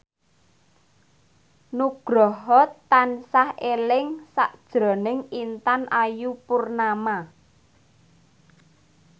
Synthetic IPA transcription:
nuɡ̥ɾɔɦɔt̪ːansahelɪŋsaʔd̥ʒ̥ɾɔ̤nɪŋint̪anʔajupʊrnama

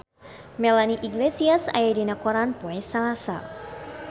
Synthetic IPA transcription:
mɛlaniʔiɡlesiasa̰jadinakɔɾanpoɛsalasa̰

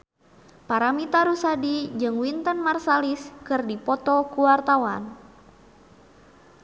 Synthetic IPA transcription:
paɾamit̪aɾusadid͡ʒɨŋwint̪ənmarsaliskɨrdipɔt̪ɔkuwart̪awan

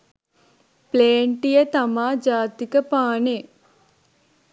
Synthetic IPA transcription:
pleːɳʈijət̪amaːd͡ʒaːt̪ikəpaːne

